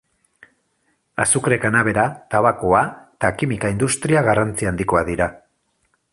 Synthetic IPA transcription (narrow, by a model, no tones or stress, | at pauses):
a̰sukɾekanaβ̞e̞ɾat̪aβakoaet̪akimikaind̪ust̪ɾiaɣarant͡siand̪iko̞aðiɾa